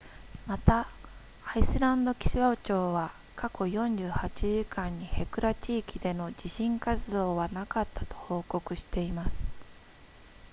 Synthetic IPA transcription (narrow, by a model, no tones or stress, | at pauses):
mat̪a | aisɨɾãnd̪o̞kʲi̥ɕiβaot͡ɕo̞ːβa | kakʰo̞jõ̞ɲ̟d͡ʑɨːhat͡ɕiʑikãɲ̟ːihe̞kɯ̟ɾat͡ɕiːkʲid̪e̞no̞d͡ʑiɕĩŋkat͡sɨd̪o̞ːβanakat̪ʰːḁt̪o̞̥ho̞ːko̞kɯ̟ɕi̥t̪e̞imasɨ̥